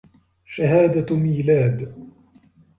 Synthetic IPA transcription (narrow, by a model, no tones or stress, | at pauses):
ʃaɦaːd̪amiːlaːd̪